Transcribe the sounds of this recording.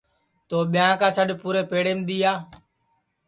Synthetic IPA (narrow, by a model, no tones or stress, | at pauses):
t̪oːɓɪjãːkaːsəɗpuːɾeːpeːɽeːmd̪iːjaː